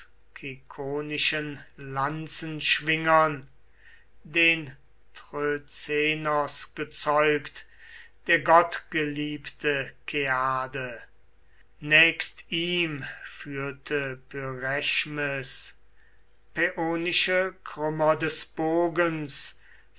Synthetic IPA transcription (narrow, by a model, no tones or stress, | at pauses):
kʰikʰoːnɪʃənlant͡sənʃv̥ɪŋɐn | deːn | tʁøt͡seːnɔsɡ̥ət͡sɔʏkt | d̥eːɐɡɔtɡ̥əliːptʰəkʰeaːdə | nɛːkstiːmfyːɐtʰəpʰyʁɛʃməs | peʔoːnɪʃəkʰʁ̥ʏmɐdɛsb̥oːɡəns